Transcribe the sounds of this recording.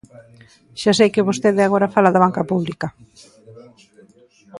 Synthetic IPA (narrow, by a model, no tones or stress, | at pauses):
ʃas̬ejkɪβost̪eðɪaɣ̞oɾafalaðaβaŋkapuβlikɐ